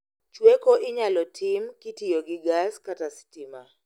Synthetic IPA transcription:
t͡ʃwekoʔɪɲalɔtʰɪmkɪtijoɡɪɡaskatasi̥tɪma

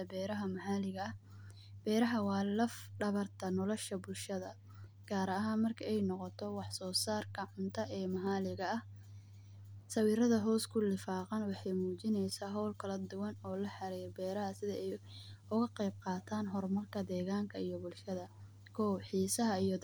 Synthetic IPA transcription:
ɐbɛːɾɐɦɐmɐhaːlɪɣɐɐh | b̥ɛːɾɐɦɐwɑːlɐfɖɐβɐrt̪ʰɐnɔlɔʃɐbʊlʃɐðɐ | ɡ̥aːɾɐɦaːnmɐrkʰɐɛjnɔqɔt̪ʰɔwɑħsɔːsaːrkʰɐʕʊnt̪ʰɐʔɛːmɐɦaːlɪɣɐɐh | sɐwiːɾɐðɐɦɔːskʰʊlɪfɑːqɑnwɑħɑjmuːt͡ʃɪnɛjsaːɦɔwlkʰɐlɐd̪ʊwɐnɔːlɐħɑɾɛjbɛːɾɐɦɐsɪðɐɛjʊɣɐqɛjb̚qɑːt̪ʰaːnɦɔrmɐrkʰɐd̪ɛːɣaːŋkʰɐijɔbʊlʃɐðɐ | kʰɔːwħiːsɐɦɐijɔ

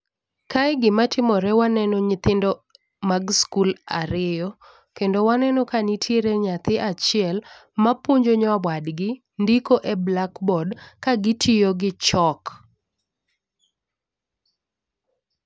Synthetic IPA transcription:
kajɡɪmatɪmɔɾɛwanɛnɔɲɪt̪ɪndɔ | maɡskulaɾɪjɔ | kendowanɛnɔkanitʰjeɾeɲat̪ɪʔat͡ʃɪɛlmapoɲd͡ʒoɲawwadɡɪ | ndikoʔeblakbɔdkaɡɪtʰɪjoɡɪt͡ʃɔk

